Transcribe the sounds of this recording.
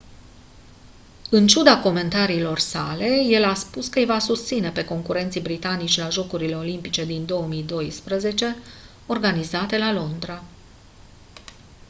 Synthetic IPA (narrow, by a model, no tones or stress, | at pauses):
ɨnt͡ʃud̪ako̞me̞nt̪aɾiːlo̞rsale̞je̞laspuskəjvasust̪sine̞pe̞ko̞ŋkuɾe̞nt̪sijbɾit̪anit͡ʃʲlaʒo̞kuɾile̞o̞limpit͡ʃe̞d̪ind̪o̞əmijd̪o̞jspɾəze̞t͡ʃe̞ | o̞rɡanizat̪e̞lalo̞nd̪ɾa